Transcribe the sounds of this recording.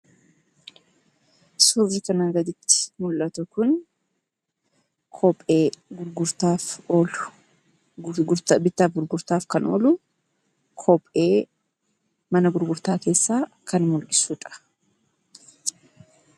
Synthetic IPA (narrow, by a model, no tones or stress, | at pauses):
suɾd͡ʒɪkɐnɐŋɡɐd̪ɪt̪ːɪ̥mʊlʔɐt̪ɔkʊn | kʰɔpʼe̞ːɡʊɾɡʊɾt̪aːfoːlʊ | ɡʊɾt̪bɪt̪ːaːfɡʊɾɡʊɾt̪aːfkɐnʔo̰ːlʊ | kʰɔpʼe̞ː | mɐnɐɡʊɾɡʊɾt̪aːke̞ːsːaːkɐnmʊlʔɪsʊᶑʼɐ̥